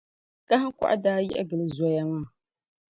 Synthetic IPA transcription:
ka˦ha˦ka̰˦ʔa̰˦daː˦jɛ̰˦ʔɡɨ˨lɨ˨zɔ˨ja˦ŋa˦˨

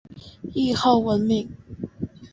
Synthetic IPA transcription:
i˥˧xo˥˨ʊwə˨˦nmi˨˦ŋ

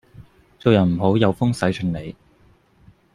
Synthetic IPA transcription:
t͡so˨wjɐ˨˩nm̩˨˩ɦo˨˥wjɐ˨˧wfʊ˥ŋsɐ˨˥jt͡ʃʰɵ˨˧˥nle˨˧j

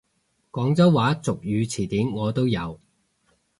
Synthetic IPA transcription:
kɔː˨˥ŋt͡sɐ˥wwaː˨˥t͡sʊ˨k̚jyː˨˧t͡sʰiː˨˩t̪iː˨˥mŋɔː˨˧t̪o˥wjɐ˨˧w

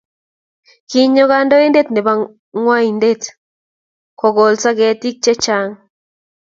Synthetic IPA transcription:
ki˧ɲo˧ɣa˦ndo˦i˦nde˦t̪ne˨ba˦˧ | ŋwa˦i˨nde˦t̪ | ko˨ɡo˨lsa˦ɡe˨t̪i˦k̚t͡ʃe˦t͡ʃa˦ŋ

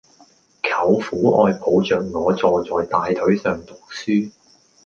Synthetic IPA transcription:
kʰɐ˨˥wfuː˨˥ʔɔ̰ː˧jpʰo˨˧wt͡sœː˨ŋŋɔː˨˧t͡sɔː˨t͡sɔː˨jt̪aː˨jt̪ʰɵ˨˥ɥsœː˨ŋt̪ʊ˨k̚syː˥

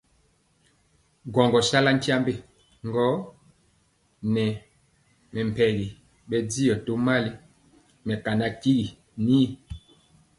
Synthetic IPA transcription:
ɡwɔ˨ŋɡɔ˨sa˦la˦n˦tja˦mbe˦˨ | ŋ˦ɡɔ˦ | nɛ˨ | mɛ˨m˨pɛ˨ɣi˨ | ɓɛ˨d͡zi˦jɔ˨to˦ma˦li˦ | mɛ˨ka˨na˦ki˦ɡi˨ | ni˦

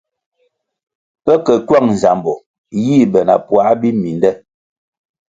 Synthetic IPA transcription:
pɛ˦kɛ˨kwa˦˨ŋn̩˨za˨mbɔ˨ | jiː˦˨bɛ˨na̰˨pwa˨˦bi˦mi˨ndɛ˦

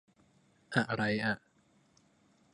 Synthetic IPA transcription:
ʔa˨˩ʔɾa˧jʔa˨˩ʔ

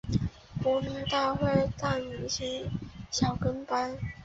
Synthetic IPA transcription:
pu˧˥mi˧˥ŋt̪a˥˧xwe˥˧ɪt̪a˥˩y˨˩ɕi˥nɕjɑ˨˩ʊkə˥npa˥n

